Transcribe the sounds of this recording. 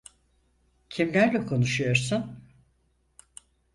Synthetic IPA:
cʰimlʲæɾlʲɛkʰo̞nuʃujo̞ɾsun

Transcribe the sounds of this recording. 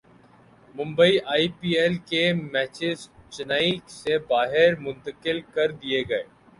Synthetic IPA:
mʊ̃mbəiʔaːiːpiːɛlkemɛːt͡ʃɪzt͡ʃɪnaːiksebaːɦɪɾmʊ̃nt̪əkɪlkəɾd̪ieɡɐeː

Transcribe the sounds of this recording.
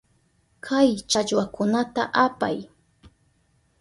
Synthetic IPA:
kʰajt͡ʃaʎwakʊnat̪a̰ʔapa̰j

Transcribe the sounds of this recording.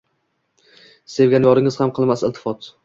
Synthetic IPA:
se̞vɡʲanjɒɾɪŋɪzhamqʰɨlˠmasɪlt̪ʰɪ̥fɒt̪

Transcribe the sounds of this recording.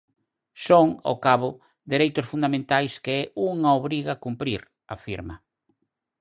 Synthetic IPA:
soŋo̰kaβʊ | d̪eɾejt̪ʊsfund̪amẽnt̪ajskeɛʔuŋaoβɾiɣakumpɾiɾ | afiɾmɐ

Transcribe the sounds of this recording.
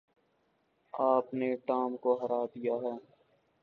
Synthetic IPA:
aːpneʈaːmkoɦəɾaːd̪ijaɦɛː

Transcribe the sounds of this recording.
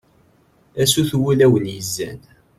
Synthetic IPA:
æsuθwulæwənjəzːæ̰n

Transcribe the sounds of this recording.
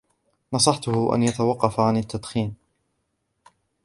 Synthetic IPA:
nɑsˤɑħt̪ʊhʊʔa̰njat̪awɑqːɑfaʕanat̪ːad̪xiːn

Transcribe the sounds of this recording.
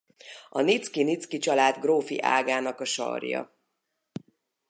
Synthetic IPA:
ɒnit̪skinit̪skit͡ʃɒlaːd̪ɡroːfḭʔa̰ːɡaːnɒkɒʃɒ̰rjɒ̰

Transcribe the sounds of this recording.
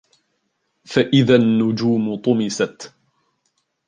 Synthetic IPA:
faʔɪðanːʊd͡ʒuːmʊt̪ˤʊmɪsat̪

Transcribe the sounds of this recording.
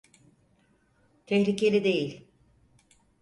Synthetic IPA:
t̪ʰehɾʲice̞lʲid̪e̞jilʲ

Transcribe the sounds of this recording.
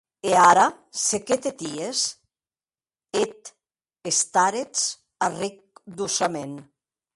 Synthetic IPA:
eaɾa | seket̪et̪ies | et̪ | est̪aɾet͡s | arik̚d̪usamen

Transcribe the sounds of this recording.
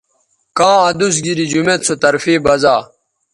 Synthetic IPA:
kãːɐd̪us̬ɡiɾid͡ʑumet̪t͡sʰot̪ɐɾfiːbɐzaː

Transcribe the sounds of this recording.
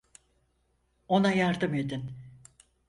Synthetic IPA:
o̞najaɾd̪ɯme̞d̪in

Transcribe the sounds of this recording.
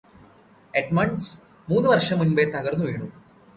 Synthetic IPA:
eʈmɐɳɖs | muːnːuʋɐrʂɐmːunbet̪ɐɣɐrnːuʋeːɳu

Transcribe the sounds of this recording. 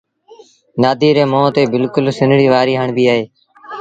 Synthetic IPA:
naːd̪ʱiːɾeːmõːt̪eːbɪlkʊlsɪnɽiːʋaːɾiːɦəɳbiːaːɦeː

